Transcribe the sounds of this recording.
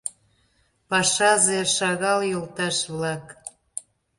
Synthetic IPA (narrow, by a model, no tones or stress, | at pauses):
pɑʃɑzeʃɑɣɑljolt̪ɑʃβlɑk